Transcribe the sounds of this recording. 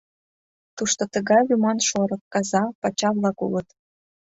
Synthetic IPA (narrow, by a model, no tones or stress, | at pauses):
t̪uʃt̪ot̪əɣɑjjumɑnʃoɾɤ̆kkɑzɑpɑt͡ɕɑβlɑkṵlət̪